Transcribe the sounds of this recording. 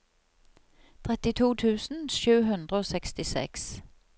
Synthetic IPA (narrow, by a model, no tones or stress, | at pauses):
t̪ʰʁɛt̪ɪt̪ʰuːt̪ʰʉːsn̩ʃʉːɦʉnd̪ʁəoːsɛkst̪ɪsɛ̰ks